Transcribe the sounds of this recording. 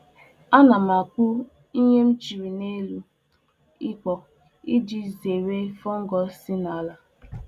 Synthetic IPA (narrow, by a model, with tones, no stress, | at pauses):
a˦na˨ma˨kʊ˦ | i˦ɲe˦m̩˦t͡ʃi˨ɾi˨ne˦lu˦ | ɪ˦k͡pɔ˨ | i˦d͡ʒi˦ze˨ɾe˦fɔ˦ŋ̩˦ɡɔ˦si˦na˨la˦